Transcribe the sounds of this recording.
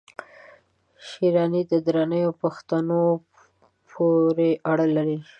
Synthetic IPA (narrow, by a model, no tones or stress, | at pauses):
ʃiɾɑnid̪əd̪ɾanəjopaxt̪ano | pʰoɾeʔaɽəlaɾi